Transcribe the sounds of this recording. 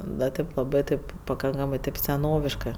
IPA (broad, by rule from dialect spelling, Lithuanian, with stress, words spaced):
dɐ ˈtɐɪp lˠɐˈbɜ tɐɪp pɐˈkɐŋkɐmɜ tɐɪp sʲɛˈnoːʋʲɪʃkɜ